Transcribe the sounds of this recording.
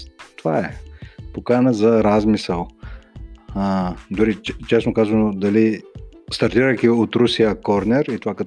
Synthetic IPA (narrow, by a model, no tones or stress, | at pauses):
t̪ovaɛpokanəzɐɾazmisəlˠ | d̪ʊɾit͡ʃɛsnokazvɐnod̪ɐlist̪ɐɾt̪iɾəjkʲiot̪ɾusijɐkɔɾnɛɾit̪ovakə